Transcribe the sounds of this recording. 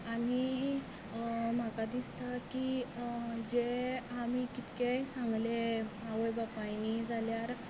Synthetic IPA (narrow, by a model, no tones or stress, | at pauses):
aɽ̃i | m̤akad̪ist̪aki | d͡ʑeamikit̪kesãŋɡlemaʋəjbapajnid͡zʱaljaɾ